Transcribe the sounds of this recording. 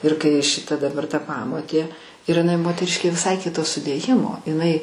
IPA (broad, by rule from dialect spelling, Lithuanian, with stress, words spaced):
ɪr kɐɪ ʃʲɪˈtɐ dɐˈbɐr ˈtɐ ˈpɑːmoːtʲeː ɪr ɪˈnɐɪ moːtʲɛˈrʲɪʃʲkʲeː ʋʲɪˈsɐɪ ˈkʲɪtoː sʊdʲeːˈjɪmoː ɪˈnɐɪ